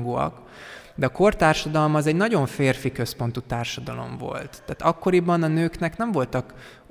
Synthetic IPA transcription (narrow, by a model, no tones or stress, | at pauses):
ɡuɒ̰k | d̪ɛɒko̞rt̪aːrʃɒd̪ɒlmɒzɛɟnɒɟo̞ɱfeːrfikø̞spo̞nt̪ut̪aːrʃɒd̪ɒlo̞̰ɱvo̞̰lt̪ːaːt̪ɒkːo̞ɾibɒnɒnøːknɛknɛɱvo̞lt̪ɒk